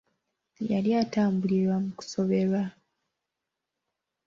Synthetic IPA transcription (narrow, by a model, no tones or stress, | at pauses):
jaljaːtaːmbuliɾwamuku̥so̞βe̞βa